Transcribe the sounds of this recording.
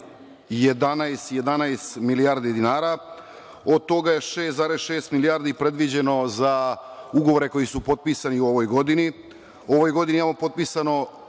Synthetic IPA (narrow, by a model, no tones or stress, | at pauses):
je̞d̪anaest̪je̞d̪anaest̪milijaːɾd̪id̪inaːɾa | od̪̚t̪o̞ɡaje̞ʃeːst̪zaːɾesʃe̞ːst̪milijaːɾd̪ipɾe̞d̪ʋid͡ʑe̞no̞zauɡo̞ʋo̞ɾe̞ko̞jisupo̞t̪̚pisaniuo̞ʋojɡo̞d̪ini | o̞ʋo̞jɡo̞d̪iniimamopo̞t̪̚pisano̞